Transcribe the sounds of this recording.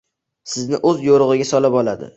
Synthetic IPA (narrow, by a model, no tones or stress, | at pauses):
sɪznɪʔɵzjoɾʊʁɨɡʲasɒlapɒlad̪ɪ̰